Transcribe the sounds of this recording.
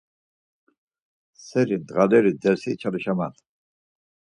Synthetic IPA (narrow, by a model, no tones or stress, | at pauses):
sɛɾind̪ʁalɛɾid̪ɛɾsit͡ʃʰaliʃaman